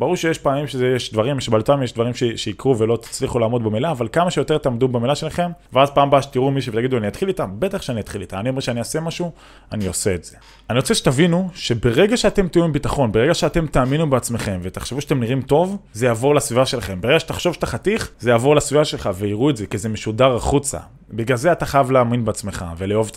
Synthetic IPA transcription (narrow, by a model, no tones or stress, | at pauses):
b̥aʁuʁʃejeʃpaːmimʃezejeʃd̪vaʁimʃebalotamjeʃdvaʁimʃeʃeikʁuvelo̞t̪i̥t͡sliχulaːmo̞d̪bemilaːvalkamaʃejo̞t̪et̪eaːmd̪ubemilaʃe̞laχe̞mveazpaːmbaʃe̥t̪iʁumiʃ̬evet̪aɡid̪uanijat̪χilit̪ambe̞t̪aχʃeanijat̪χilit̪amaniomeʃeaniase̞maʃu | anio̞se̞ːtz̥e̞ | aniʁot͡seʃet̪avinuʃe̞be̞ʁe̞ɡaʃeat̪e̞mt̪ijuimbit̪aχo̞nbeeɡaʃeate̞mt̪aːminubeat͡sme̞χe̞mve̞t̪aχʃevuʃatemniʁimto̞vzejavo̞ʁlasvivaʃe̞laχe̞mbeeɡaʃet̪aχʃo̞vʃḁt̪aχat̪iχzejaːvo̞ʁlasvivaʃe̞lχaveiʁuetze̞kizemeʃudaʁaχut͡sa̰ | biɡlalzeat̪aχajavleaminbeat͡sme̞χa̰veleo̞v